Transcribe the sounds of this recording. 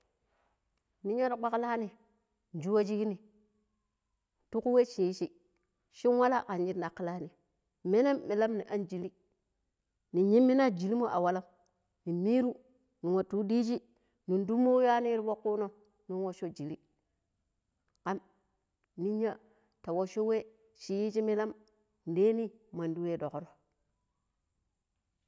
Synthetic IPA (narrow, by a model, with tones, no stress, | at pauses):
ni˦ɲa˦ta˨k͡pa˦kla˦ni˨ | n˨d͡ʒu˦wa˦d͡ʒi˦ki˦ni˨ | tu˦ku˦we˦t͡ʃi˨˦t͡ʃi˦ | ʃi˦nwa˦la˦˨ka˨nd͡ʒi˦tna˨kːi˦la˦ni˨ | me˦ne˦mːi˨la˦mni˨ʔa˦nd͡ʒi˨li˦ | ni˨ɲi˦mːi˦na˦d͡ʒi˨li˦mo˦ʔa̰˨wa˦la˦m | ni˨mi˦ɾu˦ | ni˨ŋo˨tu˦di˦d͡ʒi˦ | ni˨ndu˦mːo˦ja˦ni˦ɾi˦bo˦kːu˦no˦ | nu˦nwo˦ʃo˦d͡ʒi˨li˦ | ka˦m | ni˦ɲa˦ | ta˨wo˦ʃo˦we˦ | ʃi˨ji˦t͡ʃi˦mi˦la˦m | n˨de˦ni˦ma˨ndu˦we˦do˨ko˨ɾo˦